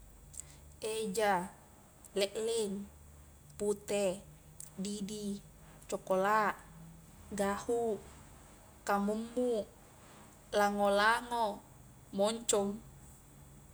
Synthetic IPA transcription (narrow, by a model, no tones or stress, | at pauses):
ed͡ʒa | lɛʔlɛŋ | put̪ɛ | didi | t͡ʃɔkolaʔ | ɡahu | kamumːu | laŋolaŋo | moɲt͡ʃɔm